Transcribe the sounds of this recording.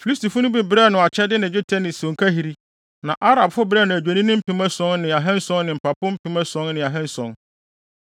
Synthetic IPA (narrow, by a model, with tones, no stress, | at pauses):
fi˨i˦sti˨fʊ˦nʊ̃˦bi˦bɾɛ˦˨nʊ̃˨a˨t͡ɕʰɛ˦dɪ˦nɪ̃˨d͡ʑʊ˦tʰɛ˦nɪ̃˨sõ˨ŋ̩˨kʰæ˦ɦi˨ɾi˦ | nã˨ʔa˦ɾa˨bfʊ˦bɪ˦ɾɛː˦˨nʊ̃˨æ˨d͡ʑᶣæ˨nĩ˦nʊ̃˦m̩˦pʰɪ̃˨˦mɛ̃˦sɔ̃˦nnɪ̃˨a˨ɦɛ̃˦n˦sɔ̃˦nːɪ̃˨m̩˨pʰa˨pʊ̃˦m̩˦pʰɪ̃˨˦mɛ̃˦sɔ̃˦nnɪ̃˨a˨ɦɛ̃˦n˦sɔ̃˨n